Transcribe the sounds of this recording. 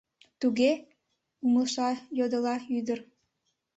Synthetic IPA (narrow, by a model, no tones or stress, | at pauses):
t̪uɣe | uməlʃɑjod̪əlɑyd̪ər